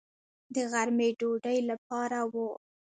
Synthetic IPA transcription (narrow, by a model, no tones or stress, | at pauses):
d̪əɣaɾmeɖoɖəjlapɑɾawu